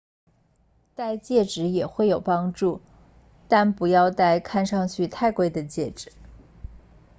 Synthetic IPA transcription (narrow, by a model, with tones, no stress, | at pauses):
t̪a˥˧ɪt͡ɕjɛ˥˩ʈ͡ʂɻ̩˧˥jɛ˨˩xwe˥˩ɪjo˨˩ʊpɑ˥ŋʈ͡ʂu˥˩ | t̪a˥˩npu˧˥jɑ˥˧ʊt̪a˥˧ɪkʰa˥˧nʂɑ˥˧ŋt͡ɕʰy˥˧t̪ʰa˥˧ɪkwe˥ɪd̪ə˨t͡ɕjɛ˥˩ʈ͡ʂɻ̩˨˩˦